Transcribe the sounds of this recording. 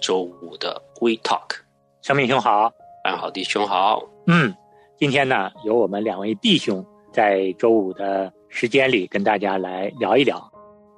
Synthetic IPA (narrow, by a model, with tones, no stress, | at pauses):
ʈ͡ʂo˥ʊu˨˩d̪ə̰˦kwe˥ɪt̪ʰɑ̰˥˩kʰ | ʂɤ˥ŋmi˥˧ŋɕʊ˥ŋxɑ˨˩˦ʊa̰˥˧nxɑ˨˩ʊt̪i˥˩ɕʊ˥ŋxɑ˨˩˦ʊ | n̩˥˩ | t͡ɕi˥nt̪ʰjɛ˥nə˨jo˧˥ʊwɔ˨˩mə˦nljɑ˨˩ŋwe˥˧ɪt̪i˥˩ɕjʊ˧˥ŋ | t͡sa˥˩ɪʈ͡ʂo˥ʊu˨˩d̪ə˦ | ʂɻ̩˧˥t͡ɕjɛ˥nli˨˩kə˥nt̪a˥˩t͡ɕja˥la˧˥ɪljɑ˧˥ʊi˥˩ljɑ˨˩˦ʊ